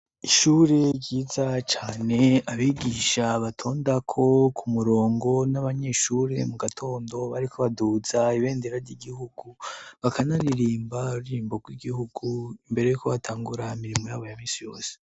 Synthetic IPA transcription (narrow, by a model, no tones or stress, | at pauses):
iʃuɾe̞ɟiːzat͡ʃaːne̞aβiɡiʃaβatʰo̞ːndakʰo̞kʰumuɾoːŋɡo̞naβaɲe̞ʃuːɾe̞muɡatʰo̞ːndo̞βaɾikʰoβaduz̥aiβe̞ːndeɾaɾɟiɡihuɡ̥uβakʰanaɾiɾiːmbauɾiːmboɡwiɡihuɡ̥uimbe̞ɾe̞jukoβatʰaːŋɡuɾaimiɾimojaːβo̞jamiːnsijo̞ːse̥